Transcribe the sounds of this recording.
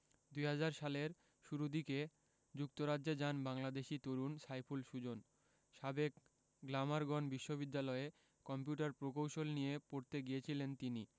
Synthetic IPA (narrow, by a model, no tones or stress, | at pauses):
d̪ujɦad͡ʑaɾʃaleɾ | ʃuɾud̪ike | d͡ʑuk̚t̪oɾadd͡ʑed͡ʑanbaŋlad̪eʃit̪oɾunsajpʰulʃud͡ʑon | ʃabek | ɡlamaɾɡɔnbiʃːoβid̪ːalɔe | kɔmpjuʈaɾpɾokowʃolnijepoɾt̪eɡijet͡ɕʰilent̪ini